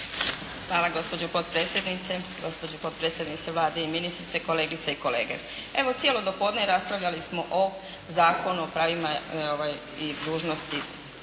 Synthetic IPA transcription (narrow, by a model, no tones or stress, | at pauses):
xʋaːlaɡo̞spo̞d͡ʑopo̞t̪̚pɾeːt̪sjed̪nit̪seɡo̞spod͡ʑopo̞d̪̚pɾeːt̪sʲje̞d̪nit̪seʋlˠaːd̪eiminist̪ɾit̪se̞ko̞le̞ːɡit̪seikolḛːɡḛ | e̞ʋot̪sjelo̞d̪o̞po̞ːd̪neɾaspɾaʋʎʲalismo̞ʔo | zaːko̞nuopɾaːʋimaoʋaj | id̪uːʒnost̪i